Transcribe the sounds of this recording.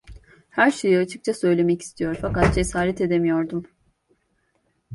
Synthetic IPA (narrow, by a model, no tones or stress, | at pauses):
hæɾʃejiat͡ʃʰɯ̥k̚t͡ʃʰasø̞jlʲe̞mɛci̥st̪ʰijo̞ɾfakat̪̚d͡ʒesaːɾɛt̪e̞d̪e̞mijo̞ɾd̪um